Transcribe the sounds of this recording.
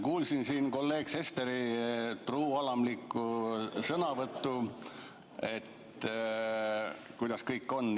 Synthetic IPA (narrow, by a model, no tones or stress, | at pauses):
kuːlsinsiːnko̞lːe̞ːɡ̥se̞st̪eɾit̪ruːɑlɑmlikːusɤnɑvɤt̪ːu | e̞t̪ | kujd̪̥ɑskɤjkːˑo̞nː